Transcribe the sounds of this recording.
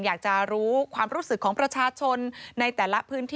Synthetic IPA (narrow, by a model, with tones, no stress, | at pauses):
njaː˨˩k̚t͡ɕa˨˩ɾuː˦˥kʰwaː˧mɾuː˦˥sɯ˨˩kʰːɔː˩˦ŋpɾa˧t͡ɕʰaː˧t͡ɕʰo˧nːa˧jt̪ɛː˨˩la˦˥pʰɯː˦˥nt̪ʰiː